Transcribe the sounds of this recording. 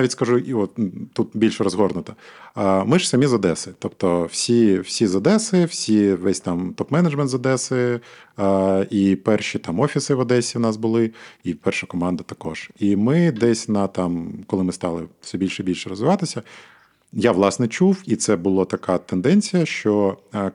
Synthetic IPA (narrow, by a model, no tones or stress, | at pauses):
aʋʲitʲskɐʒuiɔt̪t̪ːut̪̚bʲilʲʃɾɔzɦɔrnʊt̪ɐ̥ | mɪʒsɐmʲizɐd̪ɛsɪt̪ɔpt̪ɔwsʲiwsʲizɐd̪ɛsɪwsʲiʋɛsʲt̪ɑmt̪ɔpmɛnɐd͡ʒmɛnt̪zɐd̪ɛsɪ | ipɛrʃit̪ɑmɔfʲisɪʋɐd̪ɛsʲiwnɑs̬bʊlˠɪipɛrʃɐkɔmɑnd̪ɐt̪ɐkɔʒ̥imɪd̪ɛsʲnɐt̪ɑmkɔlˠɪmɪst̪ɑlˠɪ̰fsʲɛbʲilʲʃɛbʲilʲʃɛɾɔzʋɪʋɑt̪ɪsʲɐ | jaʋlˠɑsnɛt͡ʃuwit̪sɛbʊlˠat̪ɐkat̪end̪ɛnʲt͡sʲijɐʃt͡ʃɔ